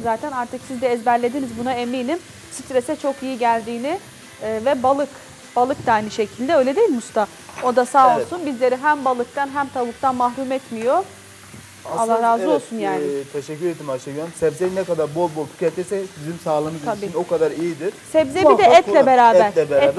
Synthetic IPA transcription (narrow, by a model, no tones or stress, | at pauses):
zaːt̪ʰænaɾt̪ʰɯksizd̪ɛːzbæɾlʲe̞d̪inizbunaemiːnim | sit̪ɾesɛt͡ʃʰo̞kijiɟælʲd̪iːnɪ | vɛbalˠɯk | b̥alˠɯk̚d̪aajnɯʃecʰilʲd̪ɛø̞jlʲed̪ejilʲmust̪a | o̞d̪asaːolˠsunbizlʲe̞ɾiɦæmbalˠɯk̚t̪ʰanɦæmt̪ʰabuk̚t̪ʰanmaɦɾumɛt̪mijo | alˠːahɾaːzɯo̞lˠsunjaːnɪt̪ʰeʃɛcːyɾeed̪imaʃaɡyasɛvzeinɛkad̪aɾbo̞lˠbolˠt̪ʰy̥cɛt̪ʰːɛsɛbizimsaːlˠamɯzʰabiino̞kad̪aɾijid̪iɾ̥sɛvzeid̪ɛɛt̪lʲɛbeɾaːbæɾɛb